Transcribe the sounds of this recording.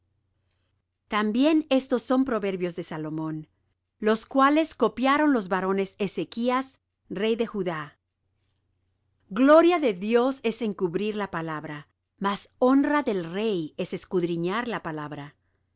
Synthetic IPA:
t̪ambje̞ne̞st̪o̞sːo̞mpɾo̞βe̞ɾβjo̞zðe̞salo̞mõ̞n | lo̞skwale̞sko̞pjaɾo̞nlo̞zβaɾo̞ne̞se̞se̞kias | re̞jðe̞xuða | ɡlo̞ɾjaðe̞ðjo̞se̞se̞ŋkuβɾiɾlapalaβɾa | maso̞nraðe̞lre̞je̞se̞skuðɾiɲaɾlapalaβɾa

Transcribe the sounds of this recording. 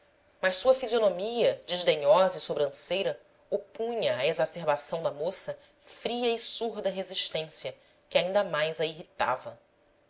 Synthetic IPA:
mɐʃsuɐfizionomiɐd͡ʒeʒd̪eɲɔzɐisobɾɐ̃sejɾɐ | opũɲɐːezaseɾbasɐ̃w̃d̪ɐmosɐ | fɾiɐisuɾd̪ɐɦeziʃt̪ẽsiɐ | kɪaĩnd̪ɐmajzɐiɦit̪a̰vɐ

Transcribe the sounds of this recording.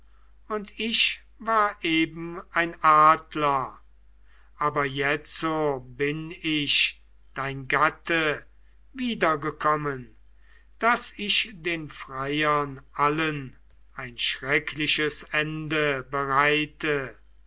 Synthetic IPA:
ʊntɪʃ | vaːɐʔeːbm̩aɪnʔaːdlɐ | ʔaːbɐjɛt͡sobɪnɪʃ | d̥aɪnɡatə | viːdɐɡəkʰɔmən | d̥asɪʃdeːnfʁajɐnʔalən | ʔaɪnʃʁɛkʰlɪʃəsɛndəbəʁaɪtə

